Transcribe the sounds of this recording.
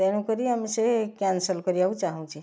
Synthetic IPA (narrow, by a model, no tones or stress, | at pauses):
enũkʌɾiɦamisekansəlkʌɾiaut͡ʃaɦũt͡ʃʰi